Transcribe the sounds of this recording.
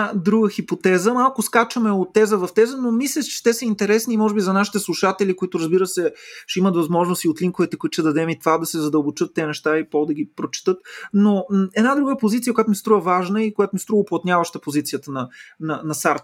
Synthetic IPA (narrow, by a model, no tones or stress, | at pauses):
d̪ɾuɡəxipot̪ɛzəmalˠkʊskat͡ʃəmɛot̪ːɛzəvɐft̪ɛzənomislʲəʃt͡ʃɛ̥t̪ɛsəint̪ɛɾɛsnimɔʒɛbizɐnaʃi̥t̪ɛslˠuʃat̪ɛlikoit̪ʊɾəzbiɾəsɛʃɛimət̪vɐzmɔʒnost̪iot̪liŋkovɛt̪ɛkoʊit̪ʃt̪ɛd̪ɐd̪ɛmit̪vad̪ɐsɛzɐd̪ɐlˠbot͡ʃɤt̪ːɛnɛʃt̪aipɔd̪ɐɡ̟ipɾot͡ʃi̥t̪ɤt̪noɛd̪nad̪ɾuɡəpozit̪siəkojat̪ʊmist̪ɾuvəvaʒnəikojat̪ʊmist̪ɾuvəʊplˠɐt̪nʲavəʃt̪əpozit̪sijət̪ənɐnɐnɐsaɾt̪